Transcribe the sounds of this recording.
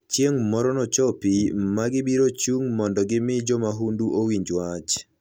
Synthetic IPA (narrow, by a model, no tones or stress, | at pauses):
t͡ʃjeŋmɔɾɔnɔt͡ʃɔpimaɡɪbiɾot͡ʃuŋmɔndɔɡɪmɪd͡ʒɔmaɦunduʔowiɲd͡ʒwat͡ʃ